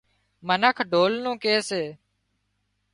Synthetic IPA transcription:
mənəkʰɖʱoːlnũːkeːseː

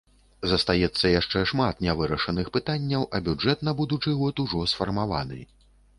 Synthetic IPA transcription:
zɐst̪ajɛt̪sːɐjaʂt͡ʂɛʂmat̪nʲɛvɨɾɐʂɐnɨxpɨt̪anʲːɐwʔɐbʲud͡ʐɛt̪nɐbud̪ut͡ʂɨɣɔt̪uʐɔsfɐrmava̰nɨ̰

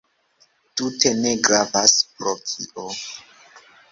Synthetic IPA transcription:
tute̞ne̞ɡɾavaspɾotʰiʔo

